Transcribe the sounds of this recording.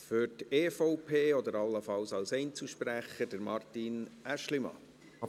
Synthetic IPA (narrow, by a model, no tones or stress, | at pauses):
føɾteːfɔʊpʰeːɔd̪əɾɑlːəfɑwsɑwsɛɪnt͡suʃpɾæχəd̥əɾmɑrtinæʃlimɑ̰